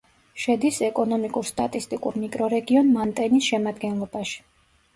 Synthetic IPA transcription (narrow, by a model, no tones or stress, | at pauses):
ʃɛd̪isɛkʼɔnɔmikʼuɾst̪ʼa̰t̪ʼist̪ʼikʼṵɾmikʼɾɔɾɛɡiɔnmant̪ʼɛnisʃɛmad̪ɡɛnlˠɔbaʃi̥